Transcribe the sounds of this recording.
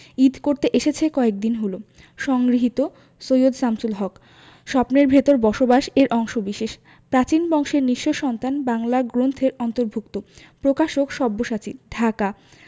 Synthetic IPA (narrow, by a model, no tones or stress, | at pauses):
id̪koɾt̪eʔeʃet͡ɕʰekɔek̚d̪inɦolo | ʃɔŋɡɾiɦit̪o | sojod̪samsulɦɔk | ʃɔpneɾbʱet̪oɾbɔʃobaʃeɾʔɔŋʃobiʃeʃ | pɾat͡ɕinbɔŋʃeɾniʃːoʃɔnt̪anbaŋlaɡɾont̪ʰeɾɔnt̪oɾbʱukt̪opɾokaʃokʃɔbːoʃat͡ɕiɖʱaka